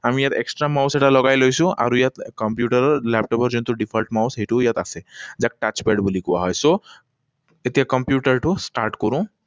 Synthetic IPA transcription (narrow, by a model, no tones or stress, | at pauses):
amijat̪eksʈɾamawseʈalɔɡajlojsũʔa̰ɾujat̪kɔmpjuʈəɾɔɾlɛp̚ʈɔpɔɾd͡ʒɔnt̪uɖipʰəlʈmawsɦeʈujat̪asezak̚ʈat͡ʃpeɖbulikuwa̰ɦɔjso | et̪ijakɔmpjuʈəɾʈusʈaɾʈkɔɾũ